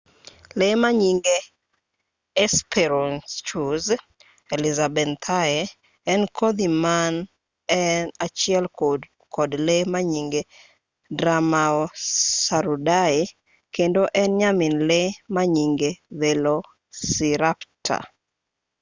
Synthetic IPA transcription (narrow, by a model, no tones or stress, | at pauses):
lemaɲiŋɡe | ɛspʰɛɾɔnst͡ʃuz | elizabɛnt̪ʰae | ɛnkʰod̪iman | ɛnat͡ʃɪɛl | kʰɔdlemaɲiŋɡe | dɾamaosaɾudae | kendoʔɛnɲamɪnlemaɲiŋɡeðelo | siɾaptʰa̰